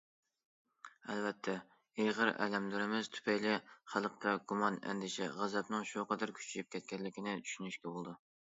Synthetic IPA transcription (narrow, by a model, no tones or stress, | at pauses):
ɛlvɛt̪ʰːɛ | ejʁəɾɛ̰lɛmd̪yɾɪmɪz̥t̪ʰy̥pʰɛjlɪχælˠəqt̪ʰɛɡumɑnɛ̰nd̪ɪʃɛ̰ʁæzɛpnɨŋʃuqɑd̪æɾkʲʰy̥t͡ʃʰijip̚kʲʰɛt̪̚kʲɛnlːɪkʲʰinɪt͡ʃ̪ʰy̥ʃynyʃkʲɛbolˠd̪u